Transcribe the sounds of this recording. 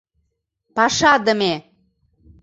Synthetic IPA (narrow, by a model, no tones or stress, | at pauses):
pɑʃɑd̪ə̆me